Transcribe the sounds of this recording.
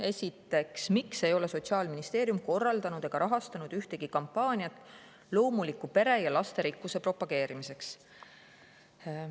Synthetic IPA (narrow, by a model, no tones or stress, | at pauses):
e̞sʲit̪ːˑe̞ksmikse̞jo̞le̞so̞t̪siɑːlminist̪e̞ːɾjumko̞rːɑld̪ɑnud̪̥eɡ̥ɑɾʔɑɦɑst̪ɑnud̪̥yht̪e̞ɡ̥ikɑmpːɑːnʲiɑt̪ˑ | lo̞ːmulikːˑupe̞ɾe̞jɑlɑst̪e̞ɾikːuse̞pro̞pːɑɡ̥e̞ːɾimise̞ks